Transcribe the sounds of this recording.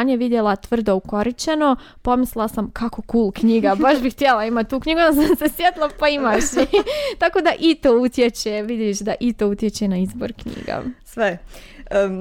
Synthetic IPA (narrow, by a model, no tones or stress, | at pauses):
ɲeʋid̪jelat̪ʋr̩d̪ouko̞ɾit͡ɕeno̞ | po̞misllasamkʰako̞kuːlˠkɲiːɡabaʃbixt̪jelˠaimat̪ːuːkɲiɡunasamse̞sjet̪lˠapaimaʃit̪ako̞d̪aʔit̪oːut̪jet͡ɕeʋid̪jeʃd̪aʔit̪out̪jet͡ɕenaizbo̰ɾkɲḭːɡa̰sʋe